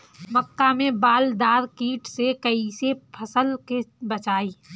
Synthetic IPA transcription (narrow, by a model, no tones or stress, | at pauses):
mɐkːamẽbaːld̪aːɾkiːʈsekɐisepʰɐsəlkebɐt͡ʃaːiː